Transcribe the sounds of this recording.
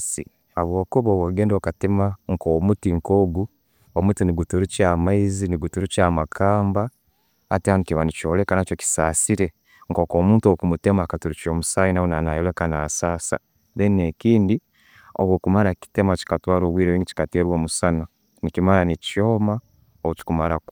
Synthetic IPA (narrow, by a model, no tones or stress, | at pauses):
sḭ | aβwo̞ːkuβaːwoɡeːndokatimaŋ̩komutiŋkoːɡu | omutiniɡutuɾucamaiziniɡutuɾucaːmakʰaːmbaː | tehanikiβanit͡ʃo̞ːlekanat͡ʃoki̥saːsiɾe̞ | ŋkokoːmuːntokumutemakatuɾut͡ʃoːmusaːjinawunanajelekana̰sasa̰ | ðeninekiːndi | o̰βwokumaɾaki̥temat͡ʃi̥katwaːɾoβwiːɾeβŋɡici̥kateːɾwomusana | nikimaɾanicoma | ouci̥kumaɾak